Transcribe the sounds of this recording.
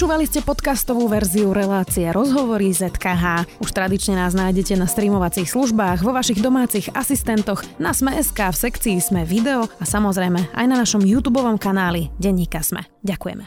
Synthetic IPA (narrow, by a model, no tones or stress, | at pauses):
pɔt͡ʃuːʋaliscɛpɔt̪kast̪ɔʋuːʋɛɾziuɾɛlaːt͡siɛɾʔɔzɦɔʋɔɾizɛt̪kaɦaːuʃt̪ɾad̪it͡ʃɲɛnaːznaːjɟɛcɛnast̪ɾiːmɔʋat͡siːxsluʒbaːɣʋɔʋaʃiɣd̪ɔmaːt͡siɣasist̪ɛnt̪ɔɣnasmɛʔɛskaːfsɛkt͡siːz̥mɛʋid̪ɛɔasamɔzɾɛjmɛa̰jnanaʃɔmjuːt̪uːbɔʋɔmkanaːliɟɛɲːiːkasmɛ̰ | ɟakujɛ̰mɛ